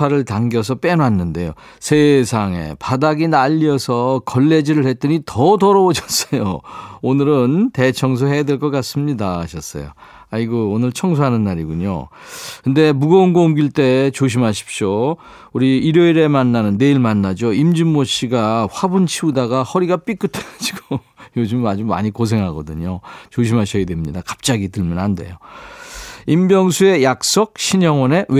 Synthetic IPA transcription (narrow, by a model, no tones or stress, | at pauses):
aɾɯɭtaŋɡjʌs̬ʰʌp͈e̞noɦanːɯnde̞jo̰ | sʰesʰaŋe̞̰padaɡinaʎːiʌsʰʌkʌɭːe̞d͡ʑiɾɯɭhe̞t̚t͈ɯɲitʌtʌɾʌwoɕʰʌs͈ʌjo̰onɯɾɯnte̞t͡ɕʰʌŋs̬ʰoɦe̞jadweɭk͈ʌk͈as͈ɯmɲidaaɕʰʌs͈ʌ̰jo̰ | aiɡoonɯɭt͡ɕʰʌŋs̬ʰoɦanɯnːaɾiɡuɲo̰ | kɯnde̞muɡʌonɡoomɡiɭt͈e̞t͡ɕoɕ̬ʰimɦaɕʰi̥p̚ɕ͈o | uɾiːɾjʌiɾe̞manːanɯnːe̞iɭmanːad͡ʑoimd͡ʑimːoɕʰiɡaɸwabunt͡ɕʰiudaɡahʌɾiɡap͈ik͈ɯtʰeɡad͡ʑiɡo | jod͡ʑumad͡ʑuma̰ɲikos̬ʰe̞ŋɦaɡʌdɯɲot͡ɕoɕʰimɦaɕʰʌjedwe̞mɲidakḁp̚t͡ɕ͈aɡitɯɭmunɦande̞̰jo | imbjʌŋsʰue̞jak̚s͈ok̚ɕʰiɲʌŋwʌne̞e